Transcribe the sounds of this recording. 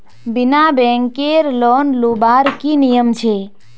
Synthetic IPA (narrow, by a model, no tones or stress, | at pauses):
binabɛ̃ŋkeɾlonlubaɾkinijəmt͡ʃʰe